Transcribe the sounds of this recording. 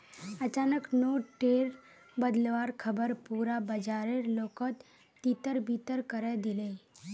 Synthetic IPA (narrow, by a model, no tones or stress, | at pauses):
ət͡ʃaːnəknoːʈeːɾ | bəd̪lʋaːɾkʰəbəɾpuːɾabəd͡ʒaːɾeɾloːkət̪ː | it̪əɾbit̪əɾkəɾed̪ɪle